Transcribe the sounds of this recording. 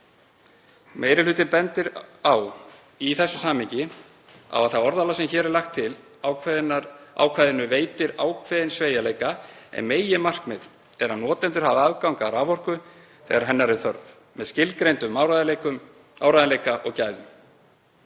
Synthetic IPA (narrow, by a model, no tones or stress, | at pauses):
meːjɾɪlʏːt̪ɪnpɛnt̪ɪɾaw | iθɛsːʏsaːmɪɲcɪ | a̰vaðθaɔɾðalasɛmçɛːɾɛɾlaxt̪ʰːɪl | a̰wkʰvaːjðɪnʏveːjt̪ɪɾa̰ːwkʰvɛðɪnsveːjaleːjkaɛ̰nmeːjɪmar̥kmɪð | ɛɾ̥hanːɔːt̪ɛnt̪ʏɾ̥havaaðkawŋkaːɾaːvɔr̥kʏ | θɛ̰ɣaɾ̥ɦɛnːaɾɪθœɾð | mɛscɪlkɾejnt̪ʏmːawɾaðlekʏm | aːwɾaðalejkaʔɔ̰ɣcaːjðʏm